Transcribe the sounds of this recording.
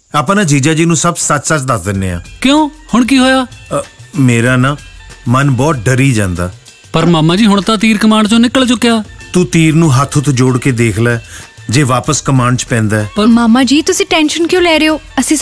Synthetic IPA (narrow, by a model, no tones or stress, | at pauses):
aːpnaːd͡ʒiːd͡ʒaːd͡ʒiːnũːsəbsət͡ʃsət͡ʃd̪əsd̪ɪneːa̰ːkjõːhʊɳk̬iːɦoːjaː | meːɾaːnaːmənbɔːt̪̚ɖəɾiːd͡ʒã̰ːnd̪aː | pəɾmaːmãːd͡ʒiːɦʊɳ̃t̪aːt̪̬iːɾkəmaːɳɖt͡ʃõːnɪkːəɭt͡ʃʊkːejaːt̪uːt̪iːɾnũːɦət̪ʰːʊt̪ʰd͡ʒoːɽkeːd̪eːkʰlaː | d͡ʒeːʋaːpəskəmaːɳɖt͡ʃpɛ̃ːnd̪aːɛːmaːmãːd͡ʒiːt̪ʊsĩːʈɛːnʃənkjõːlɛːɾeoːəsĩː